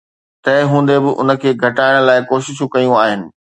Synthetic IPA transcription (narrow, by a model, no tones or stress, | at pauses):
t̪ɐɪɦũːn̆d̪ebɪʔʊ̰nə̆kʰeːɡʱɐʈaːɪɽ̃laːɪkoːʃɪʃũkɐjũaːɦɪnɪ̆